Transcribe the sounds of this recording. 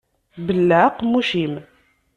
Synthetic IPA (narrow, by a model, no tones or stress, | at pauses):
bəlːæqmːuʃim